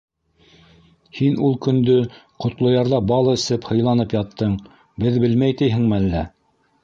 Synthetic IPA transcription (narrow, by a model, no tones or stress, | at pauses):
hinulˠkɵ̆nd̪ɵ | qŏt̪lˠɤ̆jɑɾðɑbɑlˠɤɘ̆sɘphɤ̆jlˠɑnɤpjɑt̪ːɤɴ | bɘðbɘlmæjt̪ɘjɦɘ̆ŋmɘælːæ